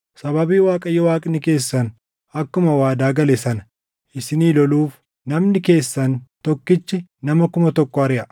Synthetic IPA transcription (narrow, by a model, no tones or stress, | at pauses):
sɐbɐbiːwaːkʼɐjːɔwaːkʼnɪke̞ːsːɐn | ɐkːʊmɐwaːd̪aːɡɐlɛsɐnɐ̥ | ʔɪsɪniːlɔluːf | nɐmnɪke̞ːsːɐnt̪ɔkːɪt͡ʃːɪnɐmɐkʊmɐt̪ɔkːɔɐɾɪʔɐ